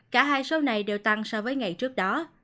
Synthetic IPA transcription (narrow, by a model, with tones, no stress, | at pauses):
kaː˧˩ɦaː˧jso˨˦wna˨˩jɗe˨˩wt̪a˧ŋsɔ˧wvəː˨˦jŋa˨˩jt͡ɕɨ˦˥ək̚ɗɔ˨˦